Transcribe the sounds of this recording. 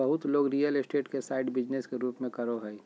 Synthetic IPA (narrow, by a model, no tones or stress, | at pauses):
əɦʊt̪loːɡɾijəlɪsʈeːʈkesaɪɖbɪd͡ʒneskeɾuːpmẽkəɾoɦɛi